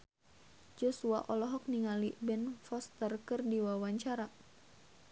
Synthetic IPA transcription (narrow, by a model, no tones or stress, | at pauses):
d͡ʒɔsua̰ʔɔlɔɦɔk̚niŋalibɛnfɔst̪ərkɨrdiwawaɲt͡ʃaɾa